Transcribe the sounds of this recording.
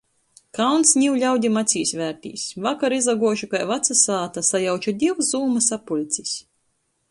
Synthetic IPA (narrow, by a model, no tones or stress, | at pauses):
kawnsɲiwʎʲawd̪ʲimat̪sʲiːsʲvʲæːɾt̪ʲḭːsvakaɾizaɡuɔʃukajvat̪sasaːt̪asajawt͡ʃud̪ʲiwzzuːmasapulʲt̪sʲis